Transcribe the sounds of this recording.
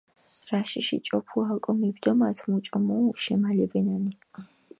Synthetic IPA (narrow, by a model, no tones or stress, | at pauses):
ɾaʃiʃḭt͡ʃʼɔpʰualkʼɔmibd̪ɔmat̪ʰmut͡ʃʼɔmɔʃɛmalɛbɛnani